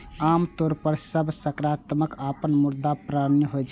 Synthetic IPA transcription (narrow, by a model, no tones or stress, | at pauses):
amt̪oɾpəɾsəbsəkɾat̪məkapənmuɾd̪apɾanːəɦod͡ʒ